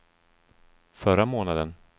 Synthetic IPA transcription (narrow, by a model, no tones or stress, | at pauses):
fœɾamoːnad̪ən